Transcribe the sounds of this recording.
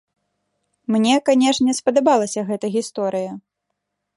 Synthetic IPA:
mnʲɛkanʲɛʂnʲɛspɐd̪abalˠɐsʲɐɣɛt̪ɐɣʲist̪ɔɾɨjɐ

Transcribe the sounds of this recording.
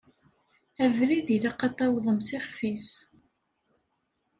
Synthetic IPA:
ævɾiðilaqːɑt̪ˤːɑwðˤəmsɪχfis

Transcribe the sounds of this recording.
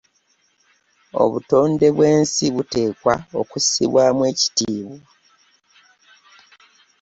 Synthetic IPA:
o̞̰βuto̞ːnde̞βwe̞ːnsiβute̞ːkwao̞kusḭβwaːmwe̞ːci̥tiːβwo

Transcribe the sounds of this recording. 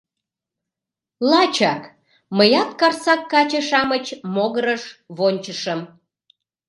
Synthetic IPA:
lɑt͡ɕɑk | məjɑt̪̚kɑrsɑkːɑt͡ɕəʃɑmət͡ɕmoɣəɾəʃβonʲt͡ɕəʃəm

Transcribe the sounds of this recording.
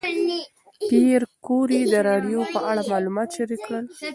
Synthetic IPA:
piɾkoɾid̪əɾɑɖjopəʔaɽamɑlumɑt̪ʃaɾikːɽəl

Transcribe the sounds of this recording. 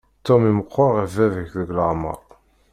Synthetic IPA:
t̪omiməqʰːɑʁævævəçðəɡləʁmə̰ɾˤ

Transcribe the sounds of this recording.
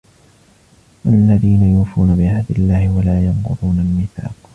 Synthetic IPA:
wʔalːaðiːnajuːfuːnabɪʕahd̪ɪlːaːhɪwalaːjɑmqʊ̰ðˤuːnalmɪθa̰ːq

